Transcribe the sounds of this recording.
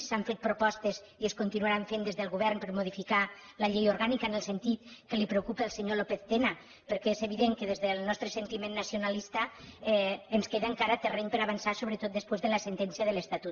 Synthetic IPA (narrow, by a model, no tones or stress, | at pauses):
saɱfet̪̚pɾupɔst̪əz | ieskunt̪inuaɾaɱfend̪ezðəlˠɣuβ̞ɛɾnpəɾmuð̞ifika | lɐʎejoɾɣanikaənəlˠsent̪it̪kəlipɾeukupəːlˠseɲolopeθt̪ena | pəɾkɛezeβ̞iðeŋkəðezðəlˠnɔst̪ɾəsent̪imenːəsiunalist̪aɛənskeðəŋkaɾat̪əreɲpəɾaβansasoβɾət̪ot̪̚d̪əspwezðələsent̪ɛnsiəðələst̪at̪ut̪